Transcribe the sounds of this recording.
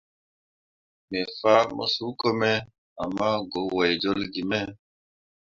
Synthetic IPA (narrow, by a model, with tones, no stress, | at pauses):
mɛ˨fa˦mɔ̰˦su˦ko˦mɛ˦ | a˨mːa˦ɡo˨˦wɛ˨jd͡ʒo˦lɡi˨mɛ˦